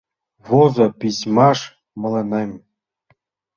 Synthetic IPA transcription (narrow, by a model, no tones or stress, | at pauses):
βozopʲisʲmɑʂ | mɤ̆lˠĕnemʲ